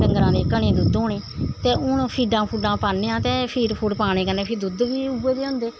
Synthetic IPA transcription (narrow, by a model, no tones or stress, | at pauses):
ʈəŋɡɾãːd̪eːkəɳẽːd̪ʊd̪oːɳeːt̪eːʊːnõːpʰiːɖãːpʰuːɖãːpaːnːeːãːt̪eːpʰiːɾpʰuːɖpaːñẽːkəneːpʰɪɾd̪ʊd̪ʋiːubeːd̪eːɦʊ̃nd̪eː